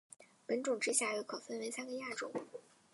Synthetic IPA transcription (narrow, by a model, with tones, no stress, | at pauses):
pə˧˥nʈ͡ʂʊ˨˩ŋʈ͡ʂɻ̩˥ɕja˥˩ɥe˧˥kʰo˨˩ʊfə˥nwe˧˥ɪsa˥nɡə˨ja˥˩ʈ͡ʂʊ̰˨˩˦ŋ